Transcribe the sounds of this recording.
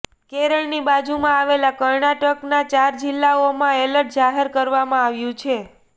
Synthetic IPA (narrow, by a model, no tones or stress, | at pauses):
keɾəɭnibad͡ʒumãaʋelakəɾɳaʈəknat͡ʃaɾd͡ʒɪlːaomãeləʈ̚d͡ʒaɦeɾkəɾʋamãaʋjũt͡ʃʰe